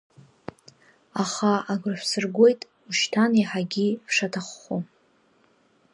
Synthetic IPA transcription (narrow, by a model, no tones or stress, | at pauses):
aχaaɡʷrħʷsɨrɡʷo̞jtʼ | uʃtʰaniħaɡʲivʂatʰaχːu